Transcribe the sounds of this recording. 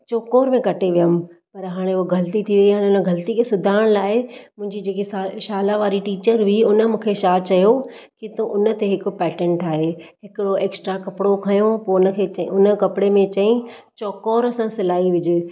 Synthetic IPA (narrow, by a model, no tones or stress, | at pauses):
t͡ɕɔːkoːɾmẽkɐʈeʋijəm̆pɐɾɦaːɽ̃ẽʊoɡʱɐlət̪it̪ʰiʋiiɦaːɽ̃ẽʊnə̆ɡʱɐlt̪ikʰesʊd̪ʱaːɪɽ̃laːɪmʊ̃ɦɪ̃ɲd͡ʑid͡ʑeːkesaʃaːlaʋaːɾiʈiːt͡ɕəɾbʱiʊnə̆mũːkʰeʃaːt͡ɕɐjokit̪õʔʊnə̆t̪eɦɪkʊ̆pɛːʈẽɳʈaːɦeːɦɪkɪɽoeːksʈɾakɐpɽokʰɐjõpoːʊnə̆kʰeːʊnə̆kɐpɪɽemẽt͡ɕɐĩt͡ɕɔːkoːɾəsãsɪlaːiʋɪd͡ʑɪ